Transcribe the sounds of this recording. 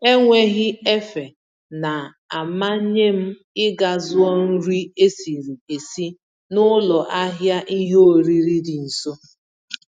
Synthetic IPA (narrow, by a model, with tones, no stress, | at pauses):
e˦ŋʷe˦ɣɪ˦e˦fe˨ | na˨ | a˨ma˦ɲe˦m̩˦ | ɪ˦ɡa˨zʊ˦ɔ˦n̩˦ɾi˦e˦si˨ɾi˨e˨si˦ | nʊ˦lɔ˨ʔa˦ɦja˦ʔi˦ɦe˦o˨ɾi˦ɾi˦di˨n̩˨so˦